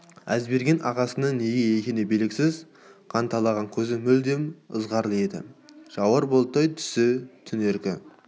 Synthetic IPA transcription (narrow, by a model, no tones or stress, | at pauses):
æzbe̞ɾɡʲe̞nʔɑʁɑsənəneɡʲejekʲenebelɪkʲsɪz | qʰɑnt̪ʰɑlˠɑʁɑŋkʲʰɵzɪmʏld̪e̞mə̰zʁɑɾlˠəe̞d̪ɪ̰ʒ̥ɑwəɾbolˠt̪ɑjt̪ʰʏ̥sɪt̪ʰʏne̞ɾkʲɪ